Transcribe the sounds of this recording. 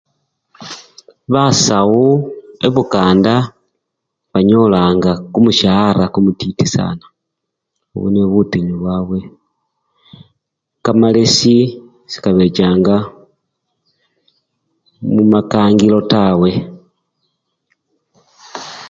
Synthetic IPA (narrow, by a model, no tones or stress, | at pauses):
βasawuḛβukaːnda | βaɲolaːŋɡakumuʃahaɾakumutitisa̰na | o̰βṵneβutiɲuβwaːβwe̞ | kamalesi | si̥kaβe̞t͡ʃaːŋɡa | mumakaːŋɡilo̞tawe̞